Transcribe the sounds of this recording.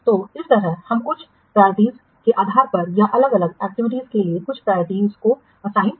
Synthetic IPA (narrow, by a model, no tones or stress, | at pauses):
t̪oːɪst̪ɐɾəɦhɐmkʊt͡ʃʰ | pɾajɾɪʈiːz | keʔaːd̪ʱaːɾpɐɾjaʔɐləɡɐləɡɛːk̚ʈɪʋɪʈ̬iːzkeliekʊt͡ʃʰpɾaːɾɪʈiːzko | ɐsaːɦi